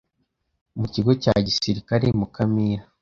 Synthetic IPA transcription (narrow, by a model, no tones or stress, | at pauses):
muciɡo̞ca̰ɟisiɾikaɾemukamiɾa